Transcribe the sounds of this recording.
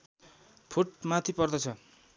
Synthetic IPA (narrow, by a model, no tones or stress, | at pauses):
pʰuʈmat̪ʰipʌrd̪ʌt͡sʰʌ